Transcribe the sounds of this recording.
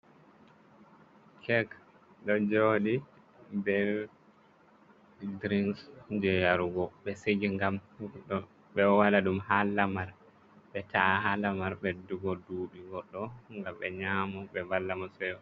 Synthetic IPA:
kʰɛɡ | ɗɔd͡ʒoːɗi | bɛ | dɾinsd͡ʒɛjaɾuɡɔɓɛsed͡ʒiŋɡamɗɔ | ɓɛwalaɗumhalːamaɾ | ɓɛtaʔahalamaɾɓɛduɡɔduːɗiɡɔɗːɔŋɡamɓɛɲaːmɔɓɛbalːamɔsɛɔ

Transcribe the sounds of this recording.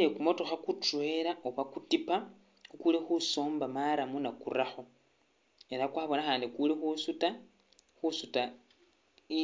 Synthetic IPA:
ekumo̞toxakutwe̞ɾaoβakutipa | ukulexuso̞ːmbamaɾamunakṵraxo̞ | e̞ɾakwaβo̞naxaːndikulexusuta | xusuta | i

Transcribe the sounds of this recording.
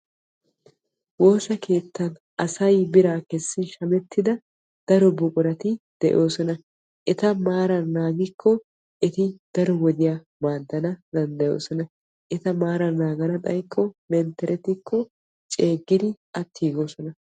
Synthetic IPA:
wo̞ːsɐkʰe̞ːt̪ːɐn | ʔɐsɐjbɪɾaːkɛsːɪʃɐmɛt̪ːɪd̪ɐ | d̪̥ɐɾɔbʊkʼʊɾɐt̪ɪd̪̥ɛʔo̞ːsɔnɐ | ʔɛt̪ɐmaːɾɐnːaːɡɪkʰːɔ | ʔɛt̪ɪd̪̥ɐɾɔwɔd̪ɪja | maːd̪ːɐnɐd̪ɐnd̪ɐjo̞̰ːsɔnɐ | ʔɛt̪ɐmaːɾɐnːaːɡɐnɐt̪ʼɐjkʰːɔmɛnt̪ɛɾʔɛt̪ɪkʰːɔ | t͡ʃʼe̞ːɡːɪd̪ɪʔɐt̪ʰːiːɡo̞ːsɔnɐ

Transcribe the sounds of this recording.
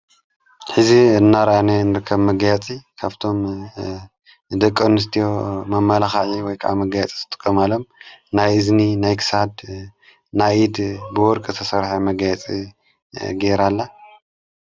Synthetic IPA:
ħɨziɨnːaɾɐʔanenɨɾɨkʰːɐβmɐɡajat͡sʼikʰaβt̪ʰo̞m | d̪ɐkʼːɐnɨs̬t̪ʰijo̞mɐmːɐlaxaʕiwɔjkʰaʔamɐɡajat͡sʼi̥zɨt̪ʼɨ̥kʼːɐmalomnajɨzninajkʰɨ̥sad̪ | naid̪bɨwɔɾkʼɨt̪ʰɐsɐɾħamɐɡajat͡sʼi | ɡeɾalːa

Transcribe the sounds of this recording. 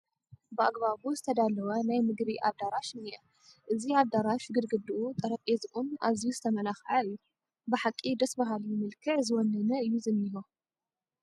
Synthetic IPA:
bɨaɡbaβuzɨt̪ʰɐd̪alɐwɐnajmɨɡbiʔaβd̪aɾaʃɨnijɛ | ʔɨziaβd̪aɾaʃɡɨd̪ɡɨd̪ɨʔut̪ʼɐɾɐpʼezɨʔʼuna̰βzijuzɨt̪ʰɐmɐnaxʕaɨjːu | bɨħakʼːid̪ɐsbaɦaljɪmɨlkʰɨʕzɨwɔnːɐnɐɨjːuzɨnːiho

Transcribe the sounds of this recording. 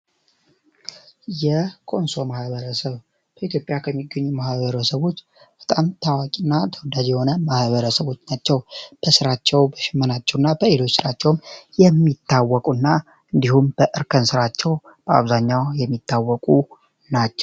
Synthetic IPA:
jɛkʰʼo̞nso̞mahβəɾəsəβ | b̥əit̪ʰjopʼjakʰəmːiɡːəɲːumahβəɾəsəβo̞t͡ʃː | b̥ə̥t̪ʼamt̪ʰawakʼinːat̪ʰəwɔd̪ad͡ʒjɛho̞nəmahβəɾəsəβo̞t͡ʃːnat͡ʃːɛwb̥əsɨɾat͡ʃːɛwbəʃɪmːənat͡ʃːɛwnːabəelo̞t͡ʃːsɨɾat͡ʃːɛwmjɛmːit̪ːawːɔkʼunːa | ʔɨnd̪ihumb̥əʔɨɾkʰənsɨɾat͡ʃːɛw | b̥əa̰βzaɲːawjɛmːit̪ʰːawːɔkʼu | nat͡ʃːɛw

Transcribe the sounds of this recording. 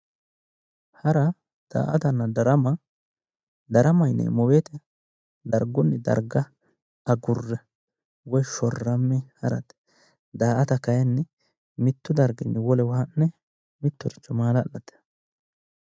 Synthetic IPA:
hɐɾɐ | d̪̥a̰ːʔɐt̪ɐnːɐd̪ɐɾɐmɐ | d̪ɐɾɐmɐjnːɛ̰mɔweːt̪ɛ | d̪ɐɾɡɔnːɛd̪ɐ̰ɾɡɐ | ɐɡʊrːɛ | wɔjʃɔrːɐmːɛhɐɾɐ̰t̪ | d̪aːʔɐt̪ɐkɐjɐnːɛ | mɪt̪ːʊd̪ɐɾɡɪnːɛwɔlɛwɐhɐnːɛ | mɪt̪ːɔɾɪt͡ʃːɔmaːlɐːlːɐt̪ːɛ̥

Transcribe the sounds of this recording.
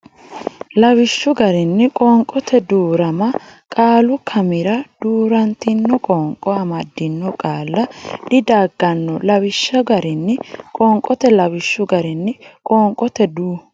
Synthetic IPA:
lɐwɪʃːʊɡɐɾɪnːɪkʼɔːŋkʼɔt̪ʰɛd̪uːɾɐmɐkʼaːlʊkʰɐmɪɾɐd̪̥uːɾɐnt̪ɪnːɔkʼɔŋkʼɔɐmɐd̪ːɪnːɔkʼaːlːɐd̪ɪd̪aːɡːɐnːɔlɐwɪʃːɐɡɐɾɪnːɪkʼɔːŋkʼːɔt̪ɛlɐwɪʃːʊɡɐɾɪnːɪkʼɔːŋkʼːɔt̪ɛd̪uː

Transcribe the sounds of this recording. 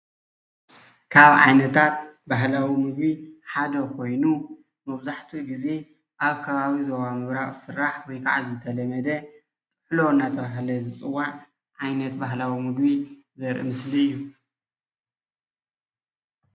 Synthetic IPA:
kʰaβʕa̰jnɐt̪ʰat̪̚baɦlawimɨɡbiħad̪ɐkʰo̞jnu | mɐβzaħt̪ʰiɡize̞ | ʔaβkʰɐβaβizoβamɨβɾaχʼsɨɾːaħwɔjkʰaʕazzɨt̪ʰɐlɐmɐd̪ɐ | k̪ʼɨħlo̞ɨnːat̪ʰɐβaɦlɐzɨt͡sʼɨwa | ʕajnɐt̪baɦlawimɨɡbi | zɐɾʔɨ̰mɨsliɨjːu

